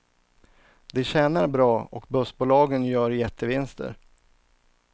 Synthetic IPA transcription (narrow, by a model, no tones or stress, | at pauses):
d̪ɛɕɛːnaɾbɾɑːɔkbɵsbuːlɑːɡənjœːɾjɛt̪ʰːəvɪnst̪ə̰ɾ